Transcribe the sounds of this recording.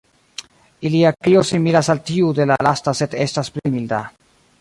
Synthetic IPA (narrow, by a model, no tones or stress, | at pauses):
iliakiosimilasaltiude̞lalastase̞de̞stasplimilda